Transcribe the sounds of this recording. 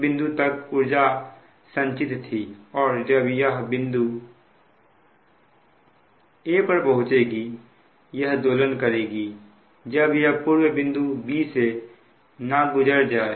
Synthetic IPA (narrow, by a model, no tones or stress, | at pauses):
bɪ̃nd̪ut̪əkʊɾd͡ʒa | sə̃ɲt͡ʃɪt̪t̪ʰiɔːɾd͡ʒəbjəɦbɪ̃nd̪u | eːpəɾpəɦʊt͡ʃeːɡi | jəɦd̪oːlənkəɾeːɡiː | d͡ʒəbjəɦpuːɾwebɪ̃nd̪ubiːse | nabʊd͡ʒəɾd͡ʒaːe